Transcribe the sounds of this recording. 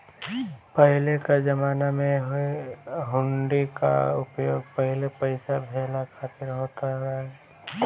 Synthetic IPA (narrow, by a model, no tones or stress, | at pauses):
pəɦɪlekad͡ʒəmaːnamẽɦeɦʊɳɖika̰ʊpjoːɡ̚pəɦɪlepəɪsabʱeːlakʰaːt̪ɪɾɦoːt̪aɾɐɦɛ